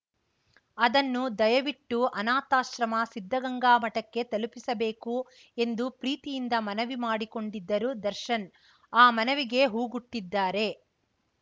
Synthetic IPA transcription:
ɐd̪ɐnːud̪ɐjɐʋiʈːuʔɐnaːt̪aːʃɾɐmɐsid̪ʱːɐɡɐŋɡaːmɐʈɐkːe̞t̪ɐlupisɐbeːku | e̞nd̪upɾiːt̪ijind̪ɐmɐnɐʋimaːɽiko̞ɳɖid̪ːɐɾud̪ɐɾʃɐn | aːmɐnɐʋiɡe̞ɦuːɡuʈːid̪ːaːɾe̞

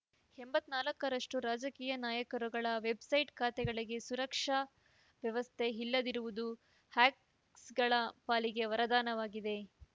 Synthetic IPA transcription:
hembɐt̪ːnaːlɐkːɐɾɐʂʈuɾaːd͡ʒɐkiːjɐnaːjɐkɐɾuɡɐɭɐʋe̞bsɐjʈkʰaːt̪ɛɡɐɭiɡe̞suɾɐkʂɐ | ʋjɐʋɐst̪ʰe̞ɦilːɐd̪iɾuʋud̪u | haːk | sɡɐɭɐpaːliɡe̞ʋɐɾɐd̪aːnɐʋaːɡid̪e̞

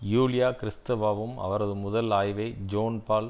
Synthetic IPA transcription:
juːlɪjaːkɪɾɪst̪ɐʋaːʋɯmɐ̰ʋɐɾɐðɯmʊðɐlaːjʋɐɪd͡ʒoːnpaːl

